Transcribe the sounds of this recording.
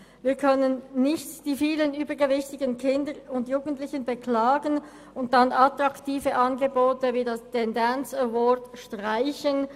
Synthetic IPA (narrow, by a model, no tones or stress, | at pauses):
viːɐkʰœnənːɪçtd̥iːfiːlənyːbəɡəvɪçtɪɡənkʰɪndəʁʊndjuːɡən̩tlɪçənbəkʰlaːɡən | ʊnt̚d̥ɑnɑtʁɑktiːfəʔɑnɡəboːtəviːdɑstʰɛndɛnt͡sɛwɔdʃtʁaɪçən